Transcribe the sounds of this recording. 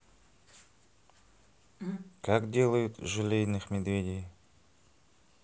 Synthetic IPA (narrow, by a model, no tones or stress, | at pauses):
kakdʲe̞lˠəjʊt̪ʐɨlʲejnɨxmʲɪd̪vʲedʲɪj